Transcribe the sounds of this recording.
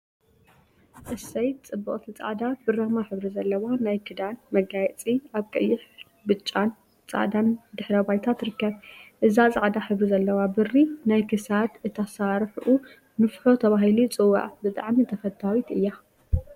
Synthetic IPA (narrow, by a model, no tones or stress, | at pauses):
ʔɨsɐjt̪̚t͡sʼɨbːɨχʼt̪ʰit͡sʼa̰ʕd̪abɨɾɐmaħɨβɾizɐlːɐwanajkʰɨd̪anmɐɡajɛt͡sʼiaβkʼɐjːɪħ | bɨt͡ʃʼːan | t͡sʼa̰ʕd̪and̪ɨħɾɐbajt̪ʰat̪ɾɨkːɐβʔɨzat͡sʼaʕd̪aħɨβɾizɐlːɐwabɨrːinajkʰɨsad̪ɨt̪ʰasaɾħʔu | nɨfħo̞t̪ʰɐβaɦilit͡sʼɨwːa̰ʕbɨt̪ʼa̰ʕmit̪ʰɐfɐt̪ʰawit̪ɨjːa